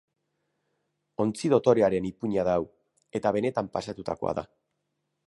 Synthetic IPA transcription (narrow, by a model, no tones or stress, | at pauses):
o̞nt͡siðo̞t̪o̞ɾe̞aɾe̞nipuɲaðaw | e̞t̪aβ̞e̞ne̞t̪ampasat̪ut̪akoa̰ða̰